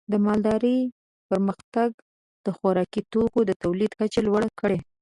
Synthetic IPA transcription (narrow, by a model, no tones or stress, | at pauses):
d̪əmɑld̪ɑɾəj | pəɾməxt̪aɡ | d̪̥əxaɾɑkit̪okod̪ət̪awlid̪kat͡ʃelwaɽakəɽe